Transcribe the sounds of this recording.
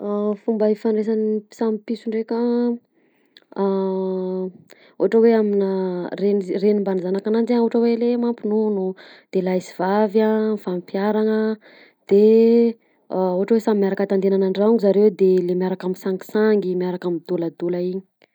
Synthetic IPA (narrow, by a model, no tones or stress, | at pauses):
afumbəifaɳɖ͡ʐes̬ani̥samipisuɳɖ͡ʐekʲə | ṵaʈ͡ʂəweaminərenrenimbanizanakanand͡ʒauɦʈ͡ʂəwelemampinunu | d̪̥elajsi̥v̥avafampjaɾaŋə | d̪̥e | uɦaʈ͡ʂəwesamimiaɾakat̪and̪enanaɳɖ͡ʐauŋizaɾewd̪elemiaɾakaminsaŋɡi̥saŋɡimiaɾakamid̪uləd̪ulaiɲi̥